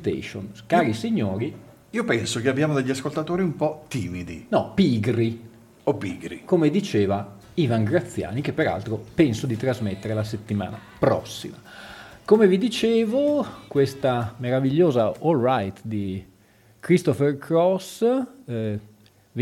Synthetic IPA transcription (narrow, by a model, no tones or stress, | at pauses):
t̪ḛʃo̰nkaːɾisiɲːoːɾi | iːopɛnsokeabːjaːmod̪eʎːiaskolt̪at̪oːɾiumpɔt̪ːiːmid̪ḭnɔpiɡɾi | opiːɡɾḭkomed̪it͡ʃeːva | ivaŋɡɾat̪sːja̰ːnik̟epːeɾa̰lt̪ɾopɛnsod̪it̪ɾazmet̪ːeɾelaset̪ːima̰ːna̰pɾɔ̰sːḭmakomevid̪it͡ʃeːvokwest̪ameɾaviʎːoːzaɔlːajt̪d̪i | kɾist̪ɔferkɾɔs | v